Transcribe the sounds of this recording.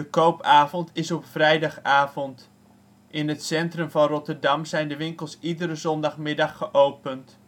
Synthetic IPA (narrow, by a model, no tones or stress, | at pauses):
dəkowpaːvɔntɪsɔpfrɛjdɑχaːvɔnt | ʔɪnɦətsɛntrəmvɑnrɔtərdɑmzɛjndəʋɪŋkəlˠsidəɾəzɔndɑχmɪdɑχːəʔowpənt